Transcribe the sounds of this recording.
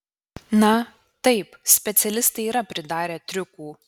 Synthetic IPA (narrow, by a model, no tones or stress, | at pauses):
nɐ | t̪ɐɪpsʲpʲɛt̪sʲɛlʲɪst̪ɐɪiːɾɐpʲɾʲɪd̪ɑːɾʲeːt̪ʲɾʲʊkuː